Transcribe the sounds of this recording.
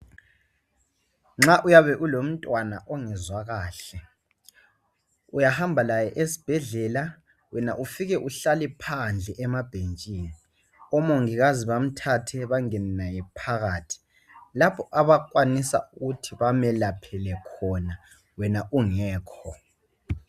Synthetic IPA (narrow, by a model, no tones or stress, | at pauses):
ŋ͡ǁaʔujaβɛʔulom̩tʼwana̰ʔɔŋɛzwaɣaːɬɛ | ujahambʱalajɛʔesi̥b̥ʱɛɮɛla | wɛnaʔufiɣɛʔuɬalipʰand͡ɮʱɛʔɛmab̥ʱent͡ʃʼiːni | ɔmoŋiɣaziβam̩tʰatʰɛβaŋɛnnajɛpʰaɣaːtʰi̥ | lapʰɔʔaβakʼwanisa̰uɣutʰiβamɛlapʰɛlɛkʰɔna | wɛnaʔuŋɛːkʰɔ